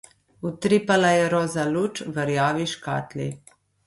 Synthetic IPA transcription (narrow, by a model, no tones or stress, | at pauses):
ut̪ɾipalajɛɾɔːzalut͡ʃʋəɾjaːʋiʃka̰ːt̪lḭ